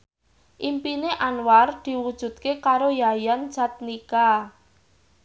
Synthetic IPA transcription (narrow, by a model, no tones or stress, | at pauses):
ʔimpineʔanward̪̥i̤wud̥ʒ̥ṳd̪̥̚kekaɾojajant͡ʃa̤t̪̚nika